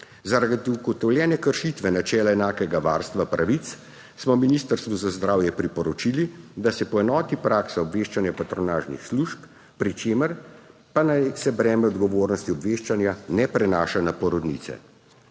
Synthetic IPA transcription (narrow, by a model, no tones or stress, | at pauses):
zaɾaɡt̪ɡɔt̪ɔwljɛːnɛkəɾʃiːt̪ʋɛnat͡ʃɛːlaɛnaːkɛɡaʋaːɾst̪ʋapɾaʋit̪s | smɔminist̪əɾst̪ʋuzazd̪ɾaːwjɛpɾipɔɾɔt͡ʃilid̪asɛpɔɛnɔːt̪ipɾaːksaɔbʋeːʃt͡ʃanjapat̪ɾɔnaːʒnḭxsluʃp | pɾit͡ʃeːməɾ | panajsɛbɾɛːmɛɔd̪ɡɔʋoːɾnɔst̪iɔbʋeːʃt͡ʃanjanɛpɾɛnaːʃanapɔɾɔd̪nḭːt̪sɛ̰